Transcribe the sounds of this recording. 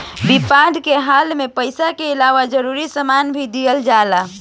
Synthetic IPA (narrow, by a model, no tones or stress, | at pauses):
bipad̪ʱkeɦalmepəjsakeilaʋad͡ʒəɾuɾisəmanbʱid̪ijəld͡ʒala